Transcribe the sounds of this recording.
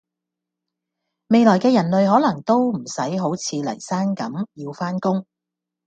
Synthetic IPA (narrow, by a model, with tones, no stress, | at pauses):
me˨jlɔː˨˩jkɛː˧jɐ˨˩nlɵ˨ɥɦɔː˨˥lɐ˨˩ŋt̪o˥wm̩˨˩sɐ˨˥jɦo˨˥wt͡sʰiː˨˧lɐ̰˨˩jsaː˥nkɐ˨˥mjiː˧wfaː˥nkʊ˥ŋ